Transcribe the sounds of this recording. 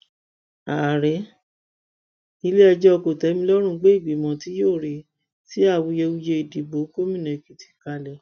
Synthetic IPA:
a˨ɾɛ˨˦ | i˧le˦ɛ˧d͡ʒɔ˦ɔ˧ko˨tɛ˨˦mĩ˧lɔ˦ɾ̃ũ˦˧˦ɡ͡be˦i˦˨bi˨˦mɔ̃˨˧ti˦joː˦˨ɾi˨ | ti˦a˦˨wu˧je˧wu˧je˧i˨di˨bo˨˦ko˦mĩ˦˨nẽ˨ki˨ti̥˨ka˧lɛ˨

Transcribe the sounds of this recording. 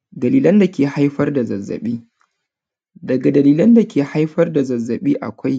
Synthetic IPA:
dɐ˨liː˨lɐ˦nda˨kʲeː˨ha˦jɸɐ˦rda˨zɐ˨zːɐ̰˨ɓiː˦ | dɐ˨ɡa˨dɐ˨liː˨lɐ˦nda˨kʲeː˨ha˦jɸɐ˦rda˨zɐ˨zːɐ˨ɓiː˦ʔa̰˨kʷa˦j

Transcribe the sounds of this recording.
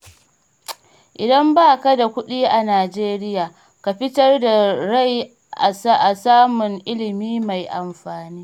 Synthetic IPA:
ʔɪ˨dɐ˦mbaː˦˨ka˦da˨kʷʊ˦ɗiː˦ʔa˨naː˨d͡ʒeː˦ɾɪ˦jaː˨ | ka˨ɸɪ˦tɐ˦rda˨ɽa˦j | ʔa˨sa˦ʔa˨saː˦mʊ˨ŋʔɪ˦lɪ˨miː˦ma˨jʔa˨mɸaː˨niː˦

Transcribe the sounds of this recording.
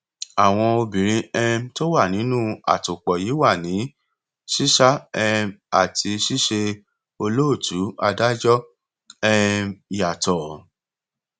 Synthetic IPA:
a˨w̃ɔ̃˧o˧bĩ˨ɾ̃ĩ˧˦ɛ˧m˦to˦wa˦˨nĩ˨˦nũ˦a̰˨to˨k͡pɔ˨ji˨˦wa˦˨nĩ˨˦ | ʃi˦ʃa˦ɛ˧ma˨tʰi˧ʃi˦ʃe˧ | o˧lo˦o˦˨tʰu˨˦a˧da˦d͡ʒɔ˦ | ɛ˧˨˦ja˨tɔ˨

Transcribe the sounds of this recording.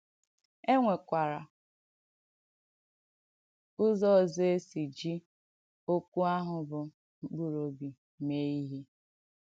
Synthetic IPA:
e˦ŋʷe˨kʷa˨ɾa˨ | ʊ˦zɔ˦˨zo˦e˦si˨d͡ʒi˦ | o˦kʷu˦a˦ɦʊ˨bʊ˨ | ŋ͡m̩˦k͡pu˦ɾo˨bi˨ | me˦i˦ɦi˦

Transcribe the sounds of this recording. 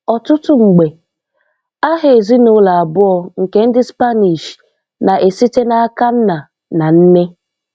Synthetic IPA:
ɔ˨tʊ˦tʊ˦ŋ͡m̩˨ɡ͡be˨ | a˦ɦe˨e˨zi˦no˦la˨a˨bʊ˦ɔ˨ŋ̩˨ke˨n̩˦dɪ˦spa˦ni˨ʃ | na˨ʔe˨si˦te˦na˦a˦ka˦n̩˦na˨ | na˨n̩˦ne˦

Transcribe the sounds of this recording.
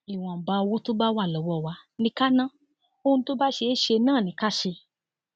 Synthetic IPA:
i˨w̃ɔ̃˨m̩˨ba˧o˧wo˦to˦ba˦wa˦˨lɔ˨˦wɔ˦˨wa˧˦nĩ˧˦ka˦nã˦ | o˦ũ˧to˦ba˦ʃe˧˦ʃe˧nãː˦˨nĩ˨˦ka˦˨ʃe˧

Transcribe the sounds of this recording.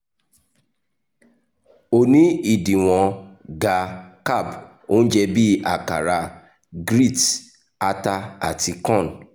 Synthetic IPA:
o˦nĩ˨˦i˦˨dĩ˨w̃ɔ̃˨ɡa˨ka˦˨b | o˦n̩˦d͡ʒɛ˧bi˦a˨ka̰˨ɾa˧ | ɡɾi˦˨t | a˦ta˧a̰˨ti˧kɔ̃˦˨n˨

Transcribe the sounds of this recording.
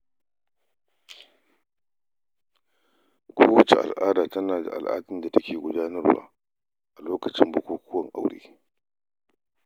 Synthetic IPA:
kʷʰoː˦wɐ˨t͡ʃḛ˨ʔa̰˨lʔaː˦daː˨tɐ˦naː˨da̰˨ʔa̰˨lʔa̰ː˦tɪ˦nda˨tɐ˦kʲeː˨ɡʷʊ˦daː˦nɐ˦rwa̰ː˦ | ʔa˨loː˦kɐ˨t͡ʃɪ˦mbʊ˦kʷuː˦kʷʰʊ˦wɐ˨ŋʔa˨wɽḛː˦

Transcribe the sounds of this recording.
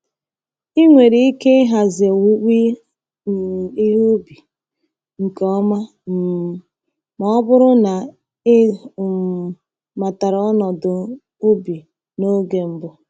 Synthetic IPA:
i˦ŋʷe˨ɾi˦i˦ke˦ɦa˨zɪ˨e˨wu˦wʷi˦˨ | i˦ɦu˦bi˨ | ŋ̩˨kɔ˦ma˦ | m̩˨ | mɔ˦bʊ˦ɾʊ˦na˨ | e˦˨ | ma˨ta˨ɾɔ˦nɔ˨dʊ˨ | ʊ˦bi˨ | no˦ɡe˨m̩˦bʊ˦

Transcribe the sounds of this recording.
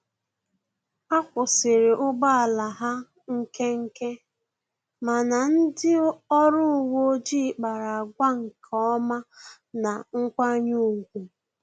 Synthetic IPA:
a˦kʷʊ˨sɪ˨ɾe˨ʔʊ˦ɡ͡ba˦a˨la˨ɦa˦ | ŋ̩˦ke˦ŋ̩˦ke˦ | ma˨na˨n̩˦dɪ˦ɔ˦ɾʊ˦˨wo˦d͡ʒi˦˨k͡pa˨ɾa˨a˨ɡʷa˦ŋ̩˨kʰɔ˦ɔ˦ma˦ | na˨ŋ̩˦kʷa˦ɲu˦˨ɡʷu˨

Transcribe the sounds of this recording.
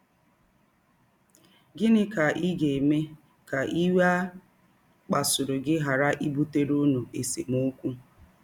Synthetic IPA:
ɡɪ˦nɪ˦ka˨ʔi˦ɡe˨me˦ | ka˨ʔi˦we˦a˦ | k͡pa˨sʊ˨ɾʊ˨ɡɪ˦ɦa˨ɾa˦ʔi˦bu˦te˦ɾu˦nu˨e˨sḛ˨mu˦kʷu˦

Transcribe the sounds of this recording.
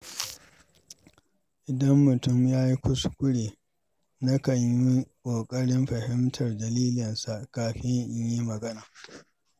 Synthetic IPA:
ʔɪ˨dɐ˦mːʊ˨tʊ˦mjaː˦ji˦kʷʊ˦skʷʊ˦ɽeː˨ | na˦kɐ˨ɲji˦kʷʼoː˨kʼɐ˦ɽɪ˦mɸɐ˨hɪ˦mtʰɐ˨rdɐ˨liː˦lɪ˨nsa˨ʔkaː˨ɸɪ˦ɲ˦ɲji˦mɐ˨ɡɐ˦naː˨

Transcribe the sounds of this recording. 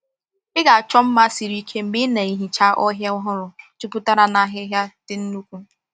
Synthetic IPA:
ɪ˦ɡa˨a˨t͡ʃɔ˦m̩˦ma˦si˨ɾi˦kʰe˦m̩˦mɪ˦na˨i˦ɦi˨t͡ʃa˦ʔɔ˦ɦja˦ʊ˦ɦʊ˦ɾʊ˨tu˦pu˦ta˦ɾa˦na˦ɦɪ˦ɦja˦d̥ɪ˦n̩˦nu˦kʷu˦

